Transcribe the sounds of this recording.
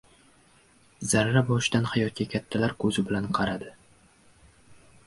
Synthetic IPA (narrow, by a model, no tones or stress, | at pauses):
zaɾɾabɒʃd̪anhajɒt̪̚kʲakʲʰat̪ʰːalaɾkʰɵzɪbɪlanqʰɑɾad̪ɪ